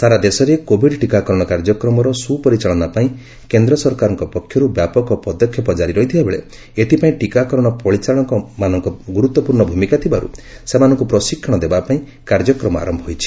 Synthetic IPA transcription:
saɾad̪esɔɾekobʱiɖʈikakɔɾɔɽ̃ɔkaɾd͡ʒɔkɾɔmɔɾɔsupɔɾit͡ʃaɭɔnapaĩ | kend̪ɾɔsɔɾkaɾɔŋkɔpɔkʰjɔɾubjapɔkɔpɔd̪ɔkʰjɔpɔd͡ʒaɾiɾɔɦit̪ʰibabeɭḛ | et̪ʰipaĩʈikakɔɾɔɽ̃ɔpɔɽit͡ʃaɭ̃ɔŋkɔmanɔŋkɔɡuɾut̪ːɔpuɾɳɔbʱumikat̪ʰibaɾṵsemanɔŋkupɾɔsikʰːɔɽ̃ɔd̪ebapaĩ | kaɾd͡ʒɔkɾɔmɔa̰ɾɔmbʱɔɦojt͡ʃʰi̥

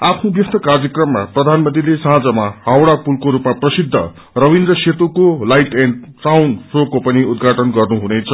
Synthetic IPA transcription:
apʰnubjʌst̪ʰʌkard͡zjʌkrʌmːaprʌd̪ʱanmʌnd̪ilesʌɦãd͡zʌmahawɽapulkoɾupmaprʌsid̪ʱːʌ̰ | rʌwind̪rʌset̪ukolajʈeɳsawnsrokːopʌniud̪ɡʱaʈʌnɡʌrnuɦunet͡sʰʌ

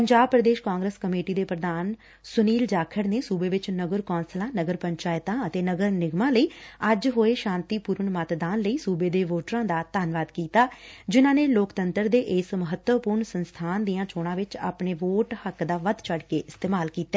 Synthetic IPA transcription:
pəɲd͡ʒaːbpɾəd̪eːʃkãːŋɡɾəskəmeːʈiːd̪eːpɾəd̪aːn | sʊniːld͡ʒaːkʰəɾneːsuːbeːʋɪt͡ʃnəɡəɾkɔːnslãːnəɡəɾpəɲt͡ʃaːɪt̪ãːət̪eːnəɡəɾnɪɡmãːləiːəd͡ʒɦoːeːʃãːnt̪iːpuːɾəɳmət̪d̪aːnləiːsuːbeːd̪eːʋoːʈɾãːd̪aːt̪aːnʋaːd̪kiːt̪aːd͡ʒɪnãːneːloːkt̪ənt̪əɾd̪eːʔɪːsməɦət̪ʋəpuɾɳsənst̪ʰaːnd̪iːãːt͡ʃoːɽ̃ãːʋɪt͡ʃa̰ːpɳeːʋoːʈhəkd̪aːʋəd̪t͡ʃʰəɽkeːʔɪst̪eːmaːlkiːt̪ːɛː

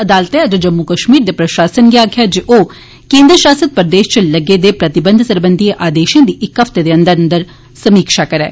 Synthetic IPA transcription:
əd̪aːlt̪ẽɐt̪əd͡ʒəmːukəʃmiːɾd̪eːpɾəʃaːsənɡjaːkʰjaːd͡ʒeʔoː | kẽːnd̪ɾəʃaːsət̪̚pəɾəd̪eːʃt͡ʃələɡed̪eːpɾət̪ɪbə̃nd̪ʱsəɾbənd̪ʱieʔaːd̪eːʃẽːd̪iːʔɪkɦəft̪ed̪eːə̃nd̪əɾənd̪əɾ | səmiːkʃakəɾɛ̰ː

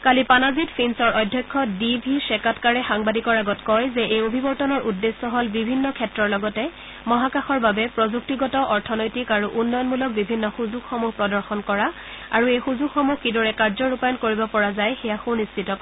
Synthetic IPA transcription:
kalipanazitpʰinsɔɹʔɔjdʱːjɔkʰːɔdibʱisɛkatkaɹɛxaŋbadikɔɹaɡɔtkɔjzɛʔejobʱibɔɹtɔnɔɹʔudːesːɔɦolbibʱinːɔkʰɛtɹɔɹlɔɡɔtɛ | mɔɦakaxɔɹbabɛpɹɔzuk̚tiɡɔtɔʔɔɹtʰɔnɔjtikaɹuʔunːɔjɔnmulɔk̚bibʱinːɔxuzuɡxɔmuɦpɹɔdɔɹxɔnkɔɹa | aɹuejxuzuɡxɔmuhkidɔɹɛkaɹzɔɹupajɔnkoɹibɔpɔɹazajxɛjaxunistitɔk

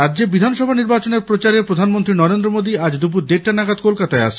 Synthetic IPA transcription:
ɾadːd͡ʑebid̪ʱanʃɔbʱaniɾbat͡ɕoneɾpɾot͡ɕaɾepɾod̪ʱanmont̪ɾinɔɾend̪ɾomod̪iad͡ʑd̪up̬uɾd̪eʈanaɡad̪kolkat̪aeaʃʰ

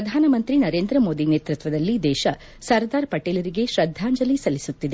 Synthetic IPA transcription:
ɐd̪ʱaːnɐmɐnt̪ɾinɐɾeːnd̪ɾɐmo̞ːd̪ineːt̪ɾut̪ʋɐd̪ɐlːid̪ɛːʃɐ | sɐɾd̪aːɾpɐʈeːlɐɾiɡe̞ʃɾɐd̪ʱːaːɲd͡ʒɐlisɐlisut̪ːid̪e

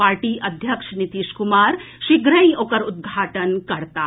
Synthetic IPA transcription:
paːɾʈiːʔɐd̪ʱjɐkʂnit̪iːʃkumaːɾ | ʃiɡɾɐ̃j̃oːkɐɾud̪̚ɡʱaːʈənkɐɾt̪aː

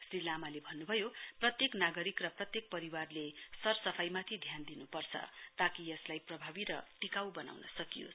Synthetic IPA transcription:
srilamalebʱʌnːubʱʌjoprʌt̪jeknaɡʌɾikrʌprʌt̪jek̚pʌɾiwarlesʌrsʌpʰajmat̪ʰid̪ʱjand̪inupʌrt͡sʰʌ̰t̪akijʌslajprʌbʱabiɾʌʈikawbʌna̰wnʌ̰sʌkijo̰s

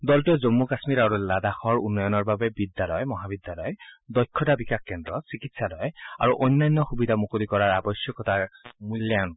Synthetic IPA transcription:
dɔltuzomːukasmiɹaɹuladaxɔɹṵnːɔjɔnɔɹbabɛbidːalɔjmɔɦabidːalɔjdɔjkʰːɔtabikakkɛndɹɔsikitsalɔja̰ɹuʔɔjnːajnːɔxubidʱamukolikɔɹaɹabɔsjɔkɔtaɹmuljan

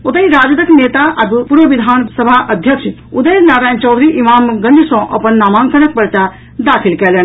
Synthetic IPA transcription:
ot̪əɦiɾaːd͡ʒəd̪əkneːt̪aʔɐbpuɾʋəʋid̪ʱaːnsəbʱaʔəd̪ʱjəkt͡ʃʰ | ud̪əjnaːɾaːjnt͡ʃɔwd̪ʱɾiʔimaːmɡə̃nd̪ʱisɔ̃ʔɐpənːaːmãːŋkənək̚pəɾt͡ʃa | d̪aːkʰilkɛːlen

